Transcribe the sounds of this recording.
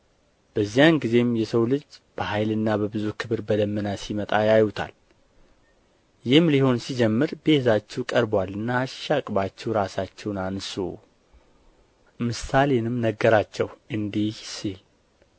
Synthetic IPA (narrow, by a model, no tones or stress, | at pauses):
b̥əzːijanɡize̞mjɛsəwlɨd͡ʒb̥əhajlɨnːabəbɨzukʰɨβɨɾbəd̪əmːənasimət̪ʼajajut̪ʰa̰l | jɪhmliho̞nsid͡ʒɛmːɨɾbezat͡ʃːɛwkʼəɾbwalːɨnːaːʃʃakʼbat͡ʃːɛwɾasat͡ʃːɛwnansṵ | mɨsalenɨmnəɡːəɾat͡ʃːɛwʔɨnd̪ihsil